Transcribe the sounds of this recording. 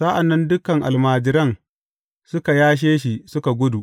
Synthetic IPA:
sa˦ʔa˨nːɐ˦ndʊ˦kɐ˨ŋʔa̰˨lmaː˨d͡ʒɪ˦ɾɐ˦ŋ | sʊ˦ka˨jaː˦ʃ̬eː˦ʃi˨sʊ˦ka˨ɡʷʊ˦du˨ʔ

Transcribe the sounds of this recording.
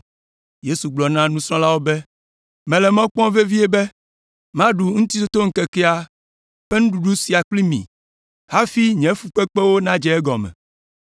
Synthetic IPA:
je˦su˨ɡ͡blɔ˨nã˦nũ˦sɔ̃˦la˦wo˦bɛ˦ | mɛ̃˨lɛ˨mɔ̃˦k͡pɔ̃˦ve˦vi˦ɛ˦bɛ˦ | mã˦ɖu˨ŋũ˦t̪i˦t̪o˦t̪o˦ŋ̩˦kɛ˨kɛ˦a˦ | ɸɛ˦nũ˦ɖu˨ɖu˦si˨a˨k͡pli˦mḭ̃˨ | ha˦fi˦ɲɛ̃˨˦fu˨k͡pɛ˦k͡pɛ˦wo˦nã˦d͡ʒɛ˨ɛ˦ɡɔ˨mɛ̰̃˨

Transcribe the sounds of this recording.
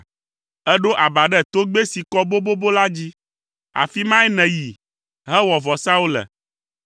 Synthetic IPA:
ɛ˦ɖo˦ʔa˨ba˨ɖɛ˦˨t̪o˦ɡ͡be˦si˨kɔ˦bo˦bo˦bo˦la˦d͡ʑi˦ | a̰˨fi˦mã˦ɛ˦nɛ̃˨ji˨ | ɦɛ˦wɔ˨vɔ˨sa˦u˦lɛ̰˨

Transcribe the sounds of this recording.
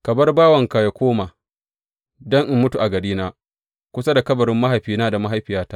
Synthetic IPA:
kɐ˨bɐ˦rbaː˦wɐ˨ŋka˨ja˦kʷoː˦maː˨ | dɔ˦ŋʔɪ˦mːʊ˦tu˨ʔa˨ɡɐ˨ɽiː˦naː˦ | kʷʊ˦sa˦da˨kɐ˦bɐ˨ɾɪ˦mːa˦ɦa˨jɸiː˦naː˦da˨ma˦ɦa˦jɸɪ˨jaː˦taː˦

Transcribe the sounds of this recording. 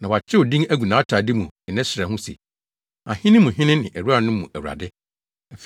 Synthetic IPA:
nã˨wa˨t͡ɕʰɪ˦wʊ˨dĩ˦ŋæ˦ɡu˨nã˨˦tʰaː˨dɪ˦mũ˨ɛ˨nɛ̃˦sɪ˨ɾɛ˨ɦʊ̃˦sḛ˨ | ã˨hɪ̃˦nɪ̃˦mũ˨ɦɪ̃˦nɪ̃˦nɪ̰̃˨ʔæ˨ɾu˦a˦˨nʊ̃˦mũ˨ʔæ˨wu˨a̰˨dɪ˦ | ɛ˨f

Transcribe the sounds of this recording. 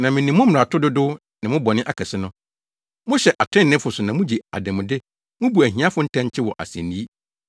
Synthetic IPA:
nã˨mɪ̃˨nĩ˨mʊ̃˦m̩˨ɾa˨tʰʊ˦dʊ˦dʊ˦ | nɪ̃˨mʊ̃˦bɔ˨nɪ̃˦ʔa˨kʰɛ˨sɪ˦nʊ̃˦ | mʊ̃˦ɕɛ˨ʔa˨tʰɪ̃˦nːɪ̃˦fʊ˨sʊ˨nã˨mʊ̃˦d͡ʑi˨a̰˨dɛ̃˨mʊ̃˨dɪ˦ | mʊ̃˦bu˨æ˨hĩ˦a˦fʊ˦n̩˦tʰã˦ɲ˦t͡ɕʰɪ˦wɔ˨ʔa̰˨sɛ̰̃˨ni˦i˦

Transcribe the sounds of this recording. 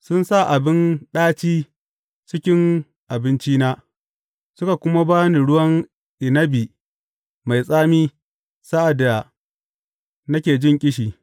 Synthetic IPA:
sʊ˦nsa˦˨ʔa˨bɪ˦nɗaː˦t͡ʃiː˦ | t͡ʃɪ˦kʲɪ˦ŋ | ʔa˨bɪ˦nt͡ʃiː˦naː˦ | sʊ˦ka˨kʷʊ˦ma˦baː˦ni˨ɽʊ˦wɐ˦ŋ | ʔɪ˨nɐ˦biː˨ | ma˨jsʼaː˦miː˦ | sa˦ʔa˨da˨ | nɐ˦kʲeː˨d͡ʒɪ˦ŋkʲʼɪ˦ʃiː˨

